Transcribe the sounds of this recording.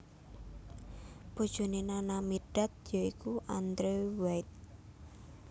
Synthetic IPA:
b̥o̤d̥ʒ̥o̤nenanamiɖ̥a̤t̪̚jɔikuʔand̪ɾewajt̪̚

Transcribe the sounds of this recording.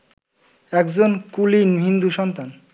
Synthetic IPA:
ɛkd͡ʑonkulinɦind̪uʃɔnt̪an

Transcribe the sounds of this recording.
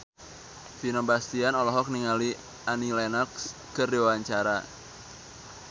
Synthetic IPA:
finɔmbast̪ianɔlɔɦɔk̚niŋali | ʔanilɛnɔkskərdiwwaɲt͡ʃaɾa

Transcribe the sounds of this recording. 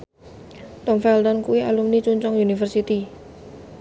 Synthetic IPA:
t̪ɔmfɛlt̪ɔnkuwialumnit͡ʃuɲt͡ʃɔŋjunifərsit̪i

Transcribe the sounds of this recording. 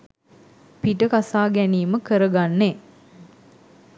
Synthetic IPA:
piʈəkasaːɡæniːməkəɾəɡanːe

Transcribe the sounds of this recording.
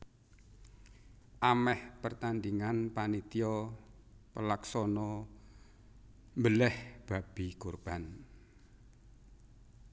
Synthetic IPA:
ʔamɛhpərt̪and̪iŋanpanit̪ijɔ | pəlaksɔnɔ | mbəlɛhb̥a̤b̥ikurb̥an

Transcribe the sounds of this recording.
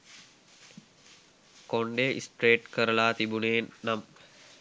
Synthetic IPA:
koɳɖeʔḭsʈɾeːʈkəɾəlaːt̪ibuneːnːam

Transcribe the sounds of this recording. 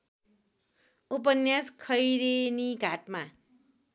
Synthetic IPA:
up̬ʌnjaskʰʌjɾeniɡʱaʈma

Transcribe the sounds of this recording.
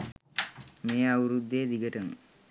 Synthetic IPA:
meːawuɾud̪ːeːd̪iɡəʈəm

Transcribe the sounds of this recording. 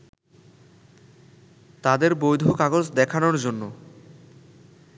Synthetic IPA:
t̪ad̪eɾbojd̪ʱukaɡod͡ʑd̪ɛkʰanoɾd͡ʑonːo

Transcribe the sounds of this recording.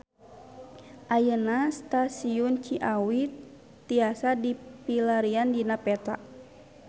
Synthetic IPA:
ʔajənast̪asiunt͡ʃiʔawit̪ː | iasadipilaɾiandinapɛt̪a̰

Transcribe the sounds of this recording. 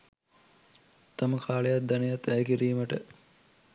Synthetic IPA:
t̪aməkʰaːlejat̪̚d̪anejat̪ːæjkiɾiːməʈə

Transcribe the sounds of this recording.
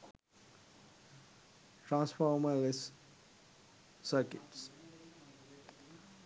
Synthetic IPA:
ʈɾãːnsfɔːɾməles | əɾkɪ̰ʈs

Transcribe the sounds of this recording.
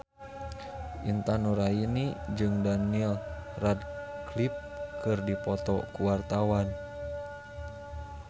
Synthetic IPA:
ʔint̪anuɾainid͡ʒɨŋdanilradklip̚kɨrdipɔt̪ɔkuwart̪awan

